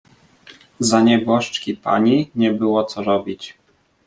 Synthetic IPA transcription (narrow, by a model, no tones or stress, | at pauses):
zaɲɛbɔʂt͡ʂkʲipa̰ɲiɲɛbɘwɔt̪sɔɾɔbʲit͡ɕ